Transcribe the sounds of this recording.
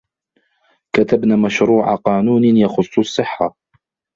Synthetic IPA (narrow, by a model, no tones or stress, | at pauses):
kat̪abnaːmaʃɾuːʕa̰qɑːnuːnɪjɑxʊsˤːʊsˤːɨħːa